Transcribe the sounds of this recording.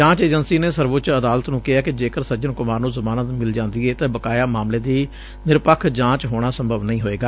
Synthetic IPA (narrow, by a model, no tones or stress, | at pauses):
d͡ʒãːt͡ʃeːd͡ʒənsiːneːsəɾʋʊt̪ːt͡ʃəd̪aːlət̪nũːkɪɦaːkɪd͡ʒeːkəɾsəd͡ʒənkʊmaːɾnũːzəmaːnət̪mɪld͡ʒãːnd̪iːeːt̪ẽːbəkaːjaːmaːmleːd̪iː | nɪɾpəkʰd͡ʒãːt͡ʃɦoːɽ̃aːsəmbʱəʋnəĩːɦoːeːɡaː